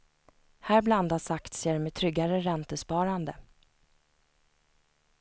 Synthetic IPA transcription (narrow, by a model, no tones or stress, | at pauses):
hæːɾbland̪asakt̪seːɖɛmet̪ʰɾʏɡːaɾəɾɛnt̪əspɑːɾand̪ə